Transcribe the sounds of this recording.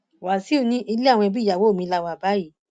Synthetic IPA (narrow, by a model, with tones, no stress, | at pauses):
wa˨si˨˦u˦˧˦nĩ˦ʔi˧le˦a˦˨w̃ɔ̃˧bi˦˨ja˨wo˨˦˨mĩ˧la˦˨wa˧˨ba˦ji˨˦